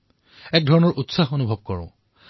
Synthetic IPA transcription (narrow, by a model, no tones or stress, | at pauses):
ɛk̚dʱɔɹɔnɔɹʔutsaɦonubʱɔb̚kɔɹʊ̰̃